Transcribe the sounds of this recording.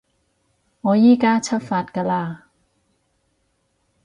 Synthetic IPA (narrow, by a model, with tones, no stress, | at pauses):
ɔ˧˦jiː˥˨kaː˧˥t͡ɕʰa˦˥faː˨˩t̪̚ka˧˨laː˧˩